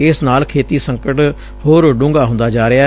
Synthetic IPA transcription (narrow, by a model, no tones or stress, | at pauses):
ɪsnaːlkʰeːt̪iːsəŋkəʈ | hoːɾɖʊ̃ːŋɡaːɦʊ̃nd̪aːd͡ʒaːɾɪaː